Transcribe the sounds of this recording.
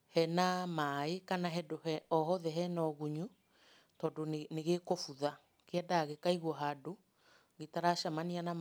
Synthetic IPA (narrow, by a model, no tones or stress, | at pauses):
hɛnamaekanaɦɛdoɦɛɔɦɔðɛɦɛnɔɣuɲu | tɔdoneɣekofuða | keɛdaɣekaiɣwɔɦado | ɣetaɾaʃamaniana